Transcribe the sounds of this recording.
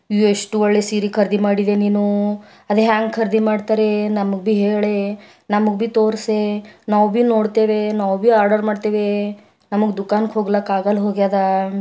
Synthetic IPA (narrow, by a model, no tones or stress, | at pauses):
ieʂʈuʋɔɭːesiːɾikʰɐɾd̪ʱimaːɽid̪eniːnu | ɐd̪eɦaːŋɡkʰɐɾd̪ʱimaːɖt̪aːɾenɐmuɡbiɦeːɭe | nɐmuɡbit̪oːɾsenaːʋbiːnoːɽt̪eːʋenaːʋbiaːɾɖɐɾmaːɖt̪eːʋe | nɐmuɡd̪ukaːnkɦoːɡlɐkaːɡɐlɦoːɡaːd̪a